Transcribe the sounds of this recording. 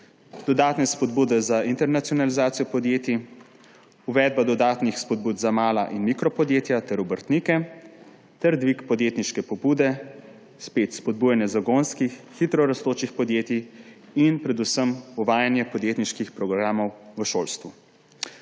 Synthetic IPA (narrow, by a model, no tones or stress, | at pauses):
d̪̥ɔd̪aːt̪nɛspɔd̪buːd̪ɛzaint̪ɛɾnat̪sijɔnalizaːt̪sijɔpɔd̪jeːt̪i | uʋɛːd̪̚bad̪ɔd̪aːt̪nixspɔd̪̚buːd̪zamaːla̰ʔinmikɾɔpɔd̪jeːt̪jat̪ɛɾubəɾt̪nikɛ | t̪ɛɾd̪ʋikpɔd̪jeːt̪niʃkɛpɔbud̪ɛ | speːt̪spɔd̪̚bujɛnjɛzaɡonskixːit̪ɾɔɾast̪oːt͡ʃixpɔd̪jeːt̪i | inpɾɛd̪usəmɔʋaːjanjɛpɔd̪jeːt̪niʃkixpɾɔɡɾaːmɔwʋəʃoːlst̪ʋu